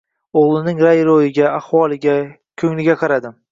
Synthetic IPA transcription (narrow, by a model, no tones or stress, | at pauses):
oʁlˠɪnɪŋɾajɾojɪɡʲaahwɒlˠɪɡʲa | kʲʰɵŋlɪɡʲaqʰɑɾad̪ɪm